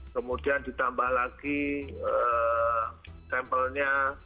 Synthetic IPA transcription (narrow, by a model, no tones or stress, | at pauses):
kəmudiandit̪ambahlaɡiə | kɛmpəlɲa